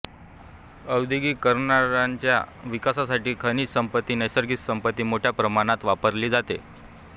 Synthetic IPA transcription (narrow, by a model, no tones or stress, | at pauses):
əwd̪iɡiːkəɾɳaɾaɲt͡ɕja̰ʋikasas̬aʈiːkʰəniːsəmpət̪ːiːnəjsəɾɡit̪səmpət̪ːiːmoʈʰjapɾəmaɽ̃at̪ʋapəɾliːd͡zat̪e